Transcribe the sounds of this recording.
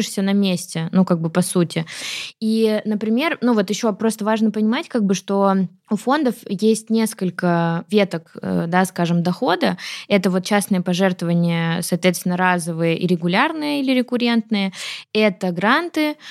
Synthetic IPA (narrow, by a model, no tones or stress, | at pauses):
ɪʂsʲənɐmʲesʲtʲɪnukaɡ̚bɨpɐsutʲɪinəpɾʲɪmʲe̞rnuvo̞t̪jɪɕːo̞pɾo̞st̪əvaʐnəpənʲɪmatʲkaɡ̚bɨʂt̪o̞ | ufo̞nd̪əfjesʲtʲnʲeskəlʲkəvʲe̞t̪əkd̪askaʐɨmd̪ɐxo̞d̪əɛt̪əvo̞t̪̚t͡ɕasnɨjəpɐʐɛrt̪vəvənʲɪjəsɐːt̪vʲet̪st̪ʲɪnəɾazəvɨjəʔḭɾʲɪɡʊlʲarnɨjəilʲɪɾʲɪkʊɾʲe̞nt̪nɨjəɛt̪əɡɾant̪ɨ